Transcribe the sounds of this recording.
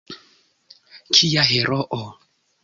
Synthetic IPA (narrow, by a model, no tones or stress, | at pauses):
kʰijaɦeɾoʔo